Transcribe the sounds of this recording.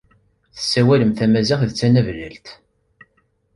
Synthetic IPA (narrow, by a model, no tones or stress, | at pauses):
θə̥sːæwæləmθæmæziχðət͡sːænævlə̰lt̪